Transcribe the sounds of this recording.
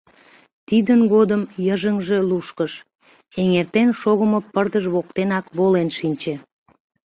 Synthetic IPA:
t̪id̪ənɣod̪əmjəʒəŋʒe̽luʃkəʃ | eŋert̪enʃoɣəmopərd̪əʒβok̚t̪enɑkβolenʃinʲt͡ɕe

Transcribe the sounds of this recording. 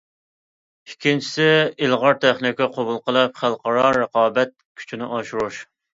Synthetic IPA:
ikʲʰːint͡ʃʰi̥sɪilˠʁɑɾt̪ʰæχnɪkʲiqʰobulˠqəlˠɨp̚χælˠqɑɾɑɾəqɑːbɛt̪̚kʲʰy̥t͡ʃʰinɪʔɑʃuɾuʃ

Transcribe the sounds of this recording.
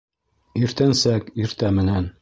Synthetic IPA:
iɾt̪ænsækiɾt̪æmɘ̆næn

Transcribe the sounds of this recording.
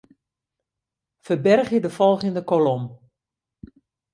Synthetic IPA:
fərbɛrχjədəfɔlˠɣəndəkolɔm

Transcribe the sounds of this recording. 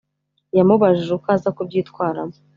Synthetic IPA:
jamuβaʒiʒukaːzakub̚jiːtkwaːɾa̰mo

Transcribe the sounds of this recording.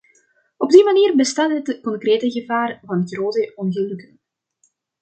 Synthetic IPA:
ɔb̚dimaniːrbəstaːtɦətkɔŋkreːtəɣəvaːrvɑnɦətxroːtəɔnɣəlɵkən

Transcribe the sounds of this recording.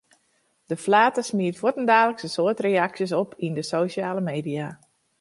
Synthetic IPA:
d̥əflaːtəsmiətʋwotəndaːxləksənsoətrejaksjəs̬ɔpʰindəsoːʃaːləmeːdija

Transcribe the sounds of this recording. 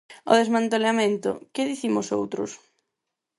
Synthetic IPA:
o̰ðezmãnt̪eleamẽnt̪ʊ̰kɪðiθimʊso̰wt̪ɾʊ̰s

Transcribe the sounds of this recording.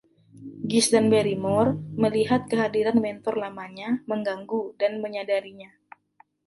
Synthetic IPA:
ɡisdanbeɾimɔrməliɦat̪̚kəɦadiɾanmɛnt̪ɔrlamaɲaməŋɡaŋɡudanməɲadaɾiɲa

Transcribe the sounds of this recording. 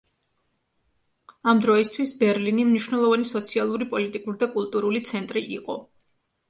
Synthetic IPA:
amd̪ɾɔist̪ʰwisbɛɾlinimniʃwnɛlˠɔvanisɔt̪sʰialˠuɾipʼɔlit̪ʼikʼuɾid̪akʼulˠt̪ʼuɾulit̪sʰɛnt̪ʼɾiʔiqʼɔ

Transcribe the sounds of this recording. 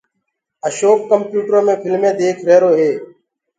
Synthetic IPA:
əʃoːpkːəmpjuːʈomẽːpʰɪlmẽːd̪eːkʰɾeːɾoːɦeː

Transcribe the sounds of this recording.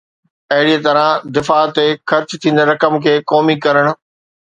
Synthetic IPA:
ɐɦɪɽiet̪ɐɾãd̪ɪfaːt̪ːexɐɾt͡ɕt̪ʰĩːn̆d̪eɾɐkəmkʰeːkɔːmikɐɾəɽ̃ʊ̆

